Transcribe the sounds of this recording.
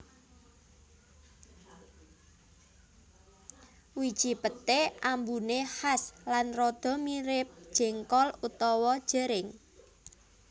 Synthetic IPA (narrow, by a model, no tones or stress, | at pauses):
wid̥ʒ̥i̤pət̪eʔambunehaslanrɔd̪̥ɔ̤miɾɪp̚d̥ʒ̥ɛ̤ŋkɔlut̪ɔwɔd̥ʒ̥ə̤ɾɪŋ